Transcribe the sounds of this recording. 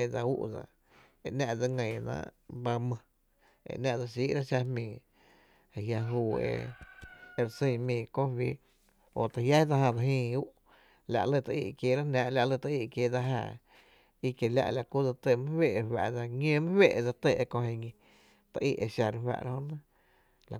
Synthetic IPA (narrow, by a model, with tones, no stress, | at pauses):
e˧d͡za˧ṵ˦ʔd͡za̰˧ | e˧ʔnã˧ʔd͡za˧ŋə̃˨nã̰ː˧˦ʔba˧mə̃˧ | ḛ˧˨ʔnã˧ʔd͡za˧ʃ̬iː˦ʔɾa˦ʃa˧hmĩː˨ | e˨ja˧ɦuː˧˨ḛ˧ | e˧ɾsĩ˧˨mĩː˨kõ˦wiː˦ | o̰˧˨t̪a˨hja˦d͡za˧hã˧d͡za˧ɦĩː˧u˦ʔ | la̰˧ʔlə˧t̪a˧ʔḭ˧˨kjeː˧˨ɾa˦nãː˧ʔla˧ʔlə˧t̪a˧i˧˨kjeː˧˨da˧ɦa̰ː˧˨ | i˧kje˨la̰˧ʔla˨ku˦d͡za˧t̪ə˧˨mə̃˦hwe˦˨ʔhwa̰˧ʔd͡za˧ŋẽː˦mə̃˦hwe˦˧ʔd͡za˧t̪e˧˨e˧kõ˧he˧ŋĩ˧ | t̪a˧ʔḭː˧ʔe˧˨ʃa˧ɾwa̰˧ʔɾa˦õ˦nã˦ | la˨